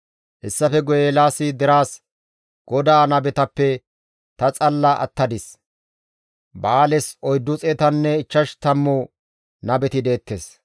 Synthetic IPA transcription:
hɛsːɐfɛɡɔjeːlaːsɪd̪ɛɾaːs | ɡ̥ɔd̪aːnɐbɛt̪ɐpːɛ | t̪ɐt͡sʼɐlːɐʔɐ̰t̪ːɐd̪ɪs | baːlɛsɔjd̪ːʊt͡sʼeːt̪ɐnːɛɪt͡ʃːɐʃt̪ɐmːo | nɐbɛt̪ɪd̪e̞ːt̪ːeːs

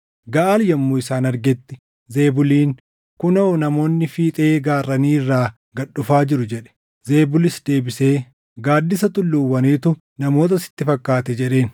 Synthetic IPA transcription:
ɡɐʔaːljɐmːʊɪsaːnɐɾɡɛt̪ːɪ | ze̞ːbʊliːŋ | kʊnɐɔnɐmo̞ːnːɪfiːt̪ʼeːɡaːrːɐniːrːaː | ɡɐɗːʊfaːd͡ʒɪɾʊd͡ʒɛᶑɛ̥ | ze̞ːbʊlɪsd̪e̞ːbɪse̞ː | ɡaːd̪ːɪsɐt̪ʊlːuːwɐniːt̪ʊ | nɐmo̞ːt̪̬ɐsɪ̥t̪ːɪfɐkːaːt̪ɛd͡ʒɛᶑe̞ːn

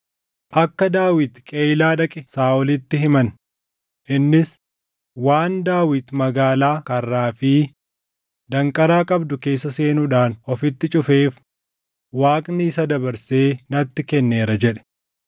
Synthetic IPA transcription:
ʔɐkːɐd̪aːwɪt̪kʼeːjlaːᶑɐkʼɪsaːɔlɪt̪ːɪhɪmɐn | ʔɪnːɪs | waːnd̪aːwɪt̪mɐɡaːlaːkɐrːaːfiː | d̪ɐŋkʼɐɾaːkʼɐbd̪ʊke̞ːsːɐse̞ːnuᶑaːnɔfɪt̪ːɪt͡ʃʼʊfe̞ːf | waːkʼnɪːsɐd̪ɐbɐɾseːnɐt̪ːɪkɛnːe̞ːɾɐd͡ʒɛᶑɛ̥

